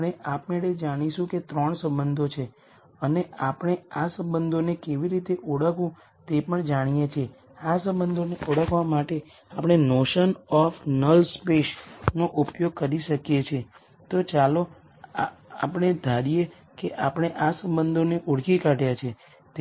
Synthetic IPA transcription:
ɽ̃eʔapmeʈed͡ʒaɽ̃iʃũket̪ɾɔɳsə̃mbənd̪ʱot͡ʃʰe | əneʔapɽ̃easə̃mbənd̪ʱonekeʋiɾit̪eʔoɽəkʰũ | t̪epəɳd͡ʒaɽ̃ijet͡ʃʰe | asə̃mbənd̪ʱoneʔoɽəkʋamaʈe | apɽ̃enoʃənɔfnəlspeʃnoʔupjoɡ̚kəɾiʃəkjet͡ʃʰe | t̪ot͡ʃalo | a̰pɽ̃ed̪ʱaɾije | keʔapəɽ̃eʔasə̃mbənd̪ʱoneʔoɽkikaʈjat͡ʃʰe | t̪

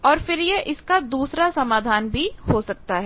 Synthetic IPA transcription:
ɔːɾfɪɾjeʔɪskad̪uːsɾasɐmaːd̪ʱaːnbʱihosɐk̚t̪aɦɛ

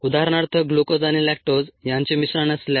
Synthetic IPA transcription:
ud̪aɦɾɳaɾt̪ʰəɡlukod͡zaɽ̃ilɛk̚ʈod͡zjãɲt͡ɕemisɾanəslja

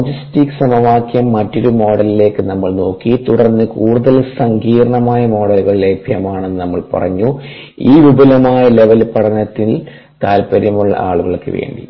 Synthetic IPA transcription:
lod͡ʑistikːɨ̥sɐmɐʋaːkjɐmːɐtːo̞ɾumo̞ːɽɐlile̞ːkːɨnɐmːɐɭno̞ːkːit̪uɽɐrnːɨkuːɽuðɐlsɐŋɡiːɾɐɳɐmaːjɐmo̞ːɽɐluɣɐɭilebʱjɐmaːɳe̞nːɨnɐmːɐɭpɐ̰rɐ̰ɲːu | iːʋubɐlɐmaːjɐle̞ʋɐlpɐɽɐnːɐt̪ːil | k̪aːlpɐɾɐmuɭːɐ̰ʔa̰ːɭuɣɐɭkːɨ̰ʋe̞̰ːɳɖḭ

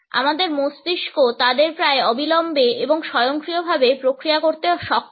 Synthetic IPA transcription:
a̰mad̪eɾmost̪iʃkot̪ad̪eɾpɾaeɔbilɔmbeeboŋʃɔjoŋkɾiobʱabepɾokɾijakoɾt̪eʃɔk

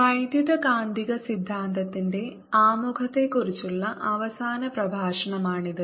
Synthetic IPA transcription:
ʋɐjd̪jid̪ɐkaːnd̪iɣɐsid̪ʱːaːnt̪ɐt̪ːinde̞ | aːmukʰɐt̪ːe̞kːuɾit͡ɕːuɭːɐʔɐʋɐsaːnɐprɐbʱaːʂɐɳɐmaːɳid̪ɨ

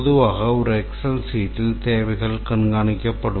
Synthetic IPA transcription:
ðɯʋaːɣɐɔɾɛksɐlsiːʈːɪlt̪eːʋɐɪɣɐɭkɐɳɡaːɳɪkʲːɐpːɐɽɯ

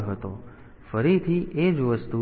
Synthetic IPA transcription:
ɦət̪o | fəɾit̪ʰiʔed͡ʒʋəst̪u

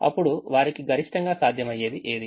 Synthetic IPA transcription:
ɐ̰pːuɽuʋaːɾikiɡɐɾiʂʈɐŋɡaːsaːd̪ʱjɐmɐjːe̞ːd̪iʔeːd̪i

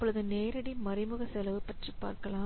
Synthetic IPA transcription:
pːɔɭɐðɯneːɾɐɽimɐɾɪmɯɣɐsɛlɐʋɯpɐʈripa̰ːɾkɐlãː

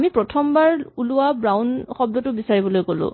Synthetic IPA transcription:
mipɹɔtʰɔmbaɹulʊwabɹawnxɔb̚dɔtʊbisaɹibɔlojkolʊ̰̃

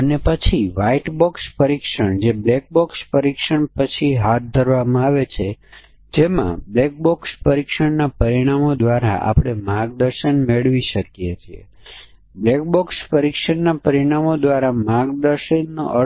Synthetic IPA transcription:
ənepət͡ʃʰiʋaiʈbɔkspəɾikʃəɳd͡ʒeblɛk̚bɔkspəɾikʃəɳpət͡ʃʰiɦat̪̚d̪ʱəɾʋamãaʋet͡ʃʰe | d͡ʒemã̰blɛk̚bɔkspəɾikʃəɳnapəɾiɽ̃amod̪ʋaɾa̰ʔa̰pɽ̃emaɡd̪əɾʃənmeɭʋiʃəkjet͡ʃʰiḛ | blɛk̚bɔkspəɾikʃəɳnapəɾiɽ̃amod̪ʋaɾamaɡd̪əɾʃənːo̰ʔə

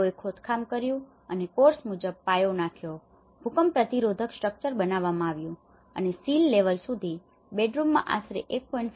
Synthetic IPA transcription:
oekʰot̪kʰamkəɾjũ | ənekoɾsmud͡ʒəb̚pajonakʰjo | bʱukəmpɾət̪iɾod̪ʱəksʈɾək̚t͡ʃəɾbənaʋːamãaʋjũ | ə̰nesilːeʋəlsud̪ʱi | beɖɾumːã̰ʔa̰sɾḛʔek̚pɔiɳʈs

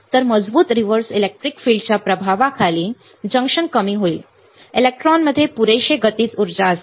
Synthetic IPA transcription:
t̪əɾməd͡zbuːt̪ɾiʋəɾsilek̚ʈɾikfiːɭɖt͡ɕapɾəbʱaʋakʰaliː | d͡ʑə̃ŋkʂəŋkəmiːɦoḭː | elek̚ʈɾɔnməd̪ʱːjepuɾejɕeɡət̪iːt͡suɾd͡ʑaəs

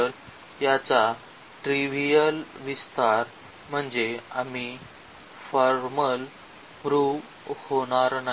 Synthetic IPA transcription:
əl | jat͡sa | ʈɾiʋijəlʋist̪ʰaɾ | m̤əɳd͡zeami | fɔɾməl | pɾu | hoɽ̃aɾna

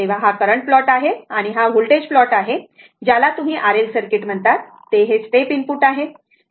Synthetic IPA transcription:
eʋ̤aɦakəɾəɳʈ̚flɔʈaɦeaɽ̃iɦaʋulʈed͡ʑflɔʈaɦe | d͡ʑjalat̪um̤iːʔaɾelsəɾkeʈm̤əɳt̪at̪ːeɦesʈepinpuːʈaɦe

